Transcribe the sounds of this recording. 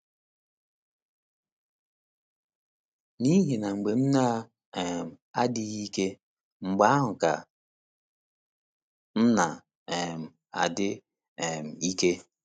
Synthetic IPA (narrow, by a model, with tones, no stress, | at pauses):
ni˦ɦe˨na˨ŋ͡m̩˨ɡ͡be˨m̩˦na˦ | ɛ˨m˨ | a˦di˦ɣi˦ke˦ | ŋ͡m̩˨ɡ͡ba˨˦ɦʊ˨ka̰˨ | n̩˦na˨ | ɛ˨m̩˨ | a̰˨dɪ˦ | ɛ˨m̩˨i˦ke˦